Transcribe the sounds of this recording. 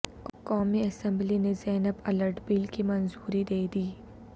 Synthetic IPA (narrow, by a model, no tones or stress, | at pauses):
kɔːmiɐsɛ̃mblinezɛːnəbɐləɾʈbiːlkimɐ̃nzuːɾid̪eːd̪iː